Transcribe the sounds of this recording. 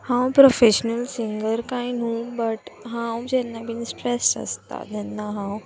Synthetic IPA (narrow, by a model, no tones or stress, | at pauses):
hãwpɾofeɕnəlsiŋɡəɾkainũbəʈɦãwd͡ʑɛnːabiːnsʈɾesʈə̰st̪a̰d͡ʑɛnːaɦãw